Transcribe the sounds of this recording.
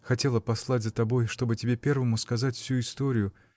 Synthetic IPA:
xɐtʲe̞lˠəpɐslˠatʲzət̪ɐbo̞jʂt̪o̞bɨtʲɪbʲe̞pʲe̞rvəmʊskɐzatʲfsʲuɪst̪o̞ɾʲɪjʊ

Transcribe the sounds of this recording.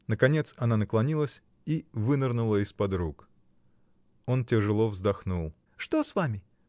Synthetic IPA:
nəkɐnʲe̞t̪sɐnanəklˠɐnʲilˠəsʲ | ivɨnɨrnʊlˠəɪspɐd̪ɾuk | o̞ntʲɪʐɨlˠovzd̪ɐxnulˠ | ʂt̪o̞svamʲɪ

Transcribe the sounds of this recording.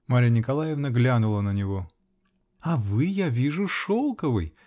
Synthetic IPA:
maɾʲanʲɪkɐlˠajɪvnɐɡlʲanʊlˠənənʲɪvo | ɐvɨjavʲiʐʊʂolˠkəvɨ̰j

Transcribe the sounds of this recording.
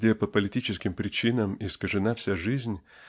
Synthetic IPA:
dʲepəpəlʲɪtʲit͡ɕɪskʲɪmpɾʲɪt͡ɕinəmɪskəʐɨnafsʲaʐɨzʲnʲ

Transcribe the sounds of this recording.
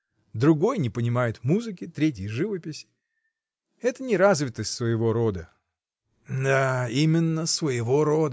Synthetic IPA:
d̪ɾʊɡo̞jnʲɪpənʲɪmajɪt̪muzɨkʲɪt̪ɾʲet̬ʲjɪjʐɨvəpʲɪsʲ | ɛt̪ənʲɪɾazvʲɪt̪əsʲtʲsvəjɪvo̞ɾo̞d̪ə | d̪aimʲɪnːəsvəjɪvo̞ɾo̞d̪

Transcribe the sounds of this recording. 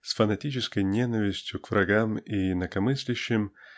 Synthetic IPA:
sfənɐtʲit͡ɕɪskəjnʲenəvʲɪsʲtʲjʊkvɾɐɡamiɪnəkɐmɨsʲlʲɪɕːɪm

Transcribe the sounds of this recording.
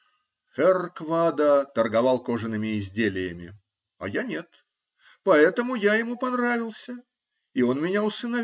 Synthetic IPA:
xɛrkvad̪ət̪ərɡɐvɑlˠko̞ʐɨnɨmʲɪɪzʲdʲelʲɪjəmʲɪ̰ | ɐ̰janʲet̪ | pɐɛt̪əmʊjajɪmupɐnravʲɪlˠsʲə | ɪo̞nmʲɪnʲaʊsɨnɐ

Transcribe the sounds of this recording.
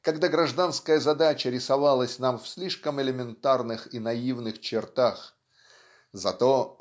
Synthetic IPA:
kɐɡd̪aɡɾɐʐd̪anskəjəzɐd̪at͡ɕəɾʲɪsɐvalˠəsʲnamfsʲlʲiʂkəmɪlʲɪmʲɪnt̪arnɨxinɐivnɨxt͡ɕɪrt̪ax | zɐt̪o̞

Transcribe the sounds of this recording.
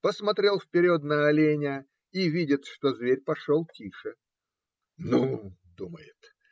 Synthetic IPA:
pəsmɐt̪ɾʲe̞lˠfpʲɪɾʲot̪nəɐlʲenʲɪ | ivʲidʲɪt̪ʂt̪o̞zvʲeɾʲpɐʂolˠtʲiʂɨ | nud̪uməjɪt̪

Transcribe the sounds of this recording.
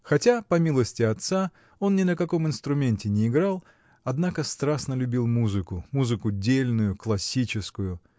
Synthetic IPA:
xɐtʲapɐmʲilˠəsʲtʲɪɐt̪sa | o̞nnʲɪnəkɐko̞mɪnst̪ɾʊmʲenʲtʲɪnʲɪːɡɾalˠ | ɐd̪nakəst̪ɾasnəlʲʊbʲilˠmuzɨkʊmuzɨkʊdʲelʲnʊjʊklˠɐsʲit͡ɕɪskʊjʊ

